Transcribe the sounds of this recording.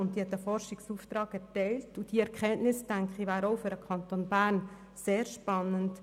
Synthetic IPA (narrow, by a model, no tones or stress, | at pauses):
ʊnt̚ːiɛt̪dəfɔɾʃɪksuːft̪ɾɑːɡɛtɛɪltud̥iɛɾkʰɛnʔnɪsd̥æŋkχivæːɾoʊfʏɾəkʰɑntonbæːɾn | seːɾʃpɑnːənt